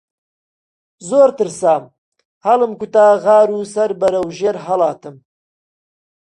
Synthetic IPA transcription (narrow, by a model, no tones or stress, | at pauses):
zoːɾt̪ɨɾsaːm | hɐlɨmkut̪aːɣɑːɾuːsɐɾbɐɾɐwʒeːɾɦɐlaːt̪ʰɨm